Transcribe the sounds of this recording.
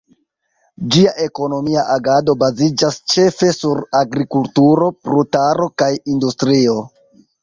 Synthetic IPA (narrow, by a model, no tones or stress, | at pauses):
d͡ʒiaʔe̞ko̞no̞miaʔaɡado̞bazid͡ʒast͡ʃe̞fe̞suɾaɡɾikultuɾo̞pɾutaɾo̞kajindustɾio̞